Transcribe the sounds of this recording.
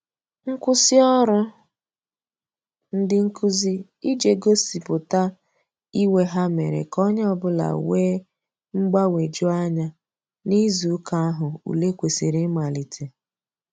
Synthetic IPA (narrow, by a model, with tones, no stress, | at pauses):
ŋ̩˦kʷʊ˦sɪ˦ɔ˦ɾʊ˦ | n̩˦dɪ˦ŋ̩˦kʰu˦zi˦ | i˦d͡ʒe˨ɡo˦si˨pʊ˨ta˦ | i˦we˨ɦa˦mḛ˨ɾḛ˨kɔ˦ɲ˦ɔ˦bʊ˦la̰˨weː˦ | ŋ͡m̩˦ɡ͡ba˦we˨d͡ʒʊ˦a˦ɲa˦ | ni˦zu˨˦ka˦a˦ɦʊ˨ṵ˨le˦kʷe˨se˨ɾɪ˦ma˨li˨tʰe˨